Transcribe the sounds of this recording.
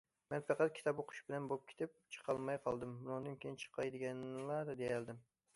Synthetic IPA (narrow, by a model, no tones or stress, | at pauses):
menfɑqɑt̪̚kʲʰɪ̥t̪ʰɒboqʰʊ̥ʃbɪlanbop̚kʲʰɪ̥t̪ʰɪp̚t͡ʃʰɨ̥qʰɑlˠmajqʰɒlˠd̪ɪmbʊnɑŋd̪ankʲʰejɪnt͡ʃʰɨ̥qʰːɑjd̪ɪɡʲanlaɾd̪ejald̪ɪm